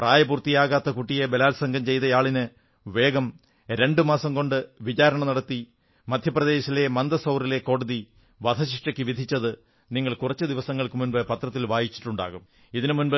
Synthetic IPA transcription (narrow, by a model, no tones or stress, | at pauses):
praːjɐbuːrt̪ːijaːɣaːt̪ːɐkuʈːijebelaːlsɐŋɡʱɐmt͡ɕe̞jt̪ɐjaːɭinɨ | ʋe̞ːɡɐm | ɾe̞ɳɖɨmaːsɐmko̞ɳɖɨʋit͡ɕaːɾɐɳɐnɐɽɐt̪ːi | mɐd̪ʱjɐprɐðe̞ːɕɐle̞mɐnd̪ɐsɐwrile̞ko̞ːɽɐði | ʋɐd̪ʰʱɐɕiʂʈɐkʲːɨʋid̪ʱit͡ɕːɐðɨ | niŋːɐɭkurɐt͡ɕːɨd̪iʋɐsɐŋːɐɭkɨmunbɨpɐt̪rɐt̪ːilʋaːjit͡ɕːi̥ʈːuɳɖa̰ːɣum | iðinmunbɨ